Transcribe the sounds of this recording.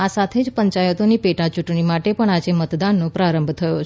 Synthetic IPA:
asat̪ʰed͡ʒpəɲt͡ʃajət̪onipeʈãt͡ʃuʈɳimaʈepəɳad͡ʒemət̪d̪anːopɾaɾəmbʱt̪ʰəjot͡ʃʰ

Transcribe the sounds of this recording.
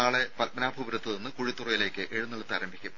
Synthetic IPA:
aːɭepɐlpːɐnaːbʱɐʋuɾɐt̪ːɨnenːɨkuɻit̪ːurɐjile̞ːkʲːɨʔeɻunːɐɭɐt̪ːaːɾɐmbʱikʲːum

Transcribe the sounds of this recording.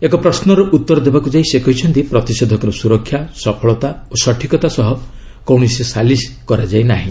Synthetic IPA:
ekɔpɾɔsnɔɾɔʔut̪ːɔɾɔd̪ebakud͡ʒaisekɔɦit͡ʃʰɔnt̪ipɾɔt̪ised̪ʱɔkɔɾɔsuɾɔkʰːjasɔpʰɔɭɔt̪aosɔʈʰikɔt̪asɔɦɔ | kɔwɳ̃isesaliskɔɾad͡ʒajnaɦĩ

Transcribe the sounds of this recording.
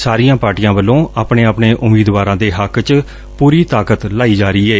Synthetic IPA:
saːɾijãːpaːɾʈijãːbəlːõːaːpɳeːaːpɳeːʔʊmiːd̪ʋaːɾãːd̪eːɦəkt͡ʃ | puːɾiːt̪aːkət̪laːiːd͡ʒaːɾiːɛː

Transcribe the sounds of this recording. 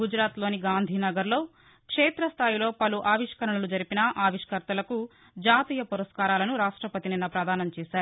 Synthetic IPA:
ɡud͡ʒɾaːt̪lo̞ːniɡaːnd̪ʱiːnɐɡɐɾlo̞ː | kʂeːt̪ɾɐst̪ʰaːjilo̞ːpɐluʔaːʋiʂkɐɾɐɳnɐlud͡ʒɐɾipinɐʔaːʋiʂkɐɾt̪ɐlɐku | d͡ʒaːt̪iːjɐpuɾɐskaːɾaːlɐnuɾaːʂʈɾɐpɐt̪ininːɐpɾɐd̪ʱaːnɐmt͡ʃɛːsaːɾuu

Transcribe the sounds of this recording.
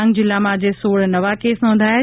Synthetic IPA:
ŋɡd͡ʑɪlamãd͡ʑesoːɽnɐʋakeːsnõːn̆d̪aː

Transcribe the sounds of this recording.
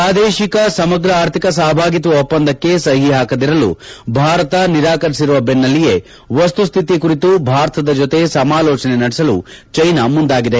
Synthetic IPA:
aːd̪eːʃikɐsɐmɐɡɾɐaːɾt̪ʰikɐsaːɐbʱaːɡit̪uʋɐɔpːɐnd̪ʱɐkːe̞sɐɦiɦaːkɐd̪iɾɐlṵbʱaːɾɐt̪ɐniɾaːkɐɾisiɾuʋɐbenːɐlːije̞ | ʋɐst̪ust̪ʰit̪ikuɾit̪ubʱaːɾɐt̪ɐd̪ɐd͡ʒot̪e̞sɐmaːlɔːt͡ʃɐnenɐɽɛsɐlṵt͡ʃɐjnɐmund̪aːɡid̪e

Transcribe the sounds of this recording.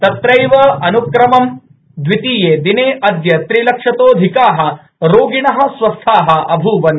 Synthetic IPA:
t̪ɐt̪ɾɐjʋɐɐnukɾɐmɐm | d̪ʋit̪iːjeːd̪ineːʔɐd̪jɐt̪ɾilɐkʂɐt̪oːd̪ʱikaːɦɐ̆ | ɾoːɡiɳɐɦɐ̆sʋɐst̪ʰaːɦɐ̆ɐbʱuːʋɐn

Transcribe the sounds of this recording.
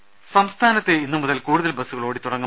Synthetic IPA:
sɐmst̪ʰaːnɐt̪ːeinːumuðɐlkuːɽuðɐlbɐsːuɣɐɭo̞ːɽit̪uɽɐŋːɐ

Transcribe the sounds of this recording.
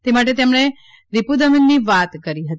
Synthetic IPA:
t̪emaʈ̬et̪emɽ̃e | ɾipud̪əminːiʋat̪kəɾiɦət̪i

